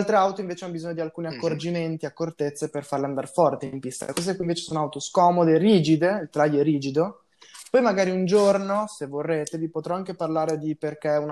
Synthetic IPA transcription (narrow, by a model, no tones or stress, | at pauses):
lt̪ɾeawt̪oiɱveːt͡ʃeanːobizoɲːod̪ialkuːniakːord͡ʒiment̪iakːort̪et̪sːeperfaɾleand̪a̰ɾefɔrt̪empist̪a̰lekɔzeekuiɱveːt͡ʃe̥soːnoawt̪oskɔːmod̪eriːd͡ʒid̪eilt̪ɾaʎːɛriːd͡ʒid̪o | pɔjmaɡaːɾiund͡ʒornosevːorːeːt̪evipot̪ɾɔaŋkeparlaːɾed̪iperk̟eɛun